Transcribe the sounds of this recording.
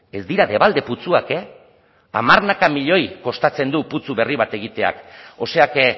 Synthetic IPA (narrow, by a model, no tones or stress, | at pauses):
e̞zd̪iɾaðe̞β̞ald̪e̞put͡suake̞ | a̰marnakamiʎo̞jko̞st̪at͡se̞nd̪uput͡suβe̞riβ̞at̪e̞ɣit̪e̞a̰ko̞se̞ak